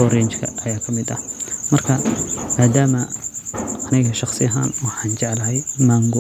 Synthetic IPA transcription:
ɔɾɪnt͡ʃkʰɐ̰ʔɐjaːkʰɐmɪd̪ɐhmɐrkʰɐmaːd̪aːmɐ | ɐnɪɣɐʃɑχsɪɐɦa̰ːnwɑħɑːnt͡ʃɛʕlɐɦɛjmaŋɡɔ

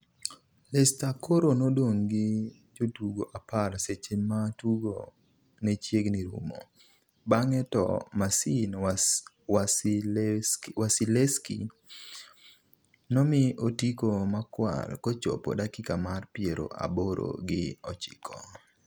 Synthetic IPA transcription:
lɛstakʰoɾonodoŋɡɪ | d͡ʒotuɡoʔaparset͡ʃematuɡo̰ | net͡ʃjeɡniɾṵmo̰ | baŋɛtɔ̰masin | as | wasileskḭ | nɔmɪotikomakwa̰lkot͡ʃo̰po̰dakɪkamarpɪeɾo̰ʔa̰boɾo̰ɡɪɔt͡ʃɪ̥kʰɔ̰

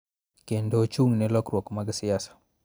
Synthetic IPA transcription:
kendot͡ʃuŋnɛlɔkɾwɔkmaɡsijasḁ

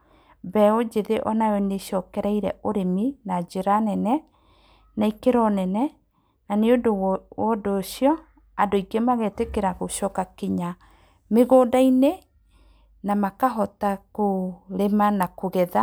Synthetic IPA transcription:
bɛɔd͡ʒeðeʔɔnajɔneʃɔkɛɾaiɾɛ̰ʔoɾeminad͡ʒeɾanɛnɛ | naikeɾɔnɛnɛ | naneodowɔdoːɕjɔ | adoiɡemaɣetekeɾaɣoʃɔkakiɲa | meɣoːdaine | namakaɦɔtakoɾemanakoɣɛða

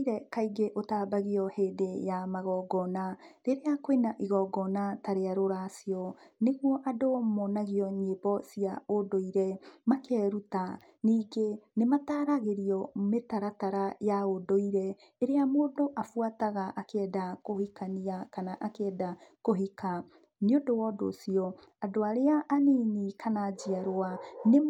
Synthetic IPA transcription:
iɾɛkaiɡeʔotabaɣiɔheːdejamaɣɔːɡɔnaɾeɾeakoenaʔiɣɔːɡɔnataɾeaɾoɾasiɔneɣuɔʔadomɔnaɣiɔɲebɔsiaodoiɾɛmakɛɾuta | niːɡenemataːɾaɣeɾiɔmetaɾataɾajaodoiɾɛ | eɾeamoːdoʔafwataɣaʔakɛːdakohikaniakanaʔakeɛdakoɦika | niodowɔdo̰siɔ | adoaɾeaʔːninikʰanad͡ʒiaɾoane

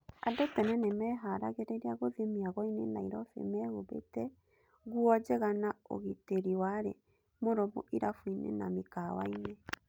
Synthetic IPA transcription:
adotɛnɛnemɛɦaɾa̰ɣeɾeɾeaɣoðemiaɣɔinenaiɾɔfḛmɛɣoβḛtɛ | ɣuɔd͡ʒɛɣanao̰ɣeteɾiwaɾḛ | moɾɔmṵʔiɾafuinḛna̰mekawa̰ine

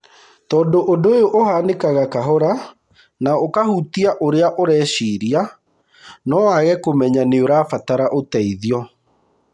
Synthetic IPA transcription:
tɔːndoʔodojoʔohanekaɣakaɦɔɾa | naokahutiaʔoɾeaʔoɾɛːɕiɾia | nɔwaɣɛkomɛɲaneoɾaːfataɾaʔotɛiðiɔ

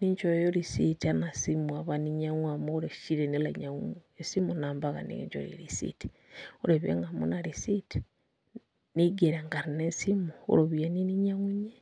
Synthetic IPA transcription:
niɲt͡ʃojoɾisitianasimuaβaniɲaŋwamoɾeʃiɾenila̰ɲaŋesimonaːmbaɣa̰nḭḛɲd͡ʒo̰ɾḭɾisḭti̥ | oɾeβḛŋɡamo̰naɾisiti̥ | niɡeɾeŋɡaɾinesimuo̰ɾoβianiniɲaŋuɲe

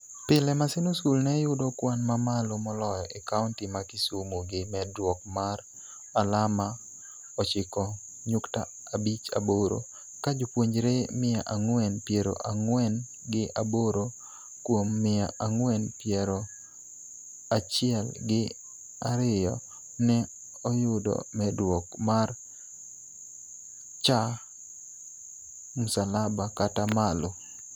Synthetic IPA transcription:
pɪlɛmasɪnoskulnɛjʊdɔkwanmamalomɔlɔjɔʔekaʊntimakɪsumoɡɪmɛdwɔk̚mar | alama | ɔt͡ʃɪkɔ | ɲʊkta̰ː | bit͡ʃa̰boɾo̰ | kad͡ʒopwoɲd͡ʒɾemɪa̰ʔaŋwɛnpjɛɾo̰ʔaŋwɛn | ɡɪʔaboɾo | kwomːɪaʔaŋwɛnpjɛɾo | at͡ʃɪɛlɡɪ | aɾɪjɔ̰ | nɛ | ɔjʊdɔ̰mɛdwɔkmar | t͡ʃa | mʊsalabakatamalo

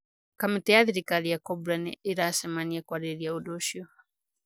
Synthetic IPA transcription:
kamitɛjaðiɾikalijakɔbɾanḭiɾasɛmaniakwaɾɛɾiaudɔʃɔ

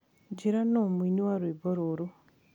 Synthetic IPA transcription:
ɟiɾanomwiniwaɾweboɾoɾu

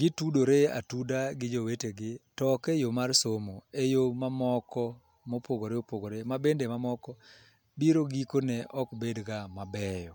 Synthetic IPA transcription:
ɡ̥ɪtudoɾea̰tudaɡɪd͡ʒoweteɡɪtɔkejomarsomoejomamɔkɔ | mopʰoɡoɾeopoɡoɾemabendemamɔkɔ | biɾoɡikonɛʔɔkbedɡamabɛjɔ

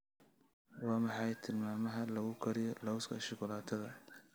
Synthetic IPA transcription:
wɑːmɑħɑjt̪ʰɪlmaːmɐɦɐlɐɣʊkʰɐɾɪjɔlɐwskʰɐ̰ʃɪkʊlaːt̪ʰɐðɐ

